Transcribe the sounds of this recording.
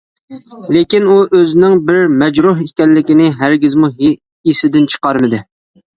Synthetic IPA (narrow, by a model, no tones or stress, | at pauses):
lekʲinuʔøzɪnɪŋbɪɾmɛd͡ʒɾuɦikʲɛlːɪkʲinɪɦæɾɡʲɪzmuɦe | isɪd̪ɪnt͡ʃʰə̥qɑɾmɨd̪ɪ